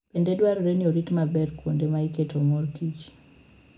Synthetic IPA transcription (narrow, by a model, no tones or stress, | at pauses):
pɛndɛdwaɾuɾɛniɔɾitmabɛɾkʰundɛmaikɛtɔmɔɾkit͡ʃ